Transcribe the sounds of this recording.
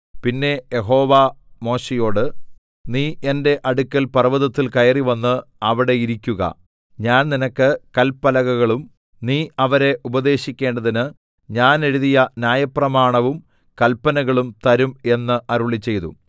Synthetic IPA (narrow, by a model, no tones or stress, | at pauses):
pinːe̞je̞ɦo̞ːʋamo̞ːɕejo̞ːɽɨ | niːʔe̞nde̞ʔɐɽukʲːɐlpɐrʋɐðɐt̪ːilkɐjɐriʋɐnːɨɐʋiɽe̞iɾikʲːuɣɐ̰ | ɲaːnninɐkːɨkɐlpːɐlɐɣɐɣɐɭum | niːʔɐʋɐɾe̞ʔubɐd̪e̞ːɕikʲːe̞ːɳɖɐðinɨ | ɲaːne̞ɻuðijɐnʲjaːjɐprɐmaːɳɐʋum | kɐlpːɐnɐɣɐɭumt̪ɐɾume̞nːɨʔɐɾuɭit͡ɕːe̞jt̪ṵ